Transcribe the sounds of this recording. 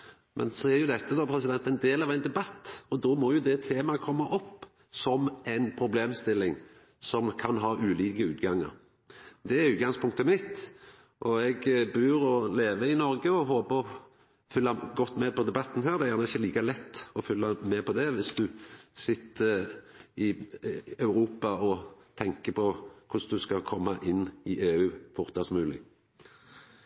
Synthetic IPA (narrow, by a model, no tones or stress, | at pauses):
mʔɛ̰nsɔɛɾjʊd̪ɛt̪ːəd̪ɔpʰɾɛs̬ɪd̪ɛnt̪ɛɪnd̪eːlɑʋæɪnd̪ɛbɑt̪ːɔd̪ɔmɔjʊd̪ɛt̪ʰeːmɑkʰɔmːɑʔɔpː | sɔmæɪnpʰɾʊbleːmst̪ɪlːɪŋ | sɔmkʰɑnɦɑːʔʉːliːkəʉ̰ːt̪ɡɑŋːə̰ɾ | d̪ɛæɾʉːt̪ɡɑŋspʰʊŋk̚t̪əmɪt̪ | ʔɔɛɡbʉːɾɔleːʋəɪnɔɾɡəɔɦoːpəɔ | fʏlːɑɡɔt̪ːmɛpʰɔd̪ɛbɑt̪ːn̩ɦæːʁd̪ɛjæʁnəɪçəliːkɑlɛt̪ːɔfʏlːɑmɛpʰɔd̪ɛʋɪsd̪ʉsɪt̪ːə | ɪ | ɑʉɾuːpɑɔt̪ʰɛŋkəpʰɔkʰʊsd̪ʉskɑkʰɔmːɑʔɪnːɪʔeːʉːfʊʁt̪ɑsmʉːlɪ̰